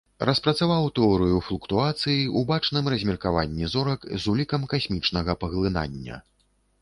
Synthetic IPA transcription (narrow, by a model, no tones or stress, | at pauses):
rɐspɾɐt̪savawt̪ɛɔɾɨjuflʲˠukt̪uat̪sɨjiʔubat͡ʂnɨmrɐzʲmʲirkavanʲːizɔɾɐkzulʲikɐmkasʲmʲit͡ʂnɐɣɐpɐɣlˠɨna̰nʲːɐ̰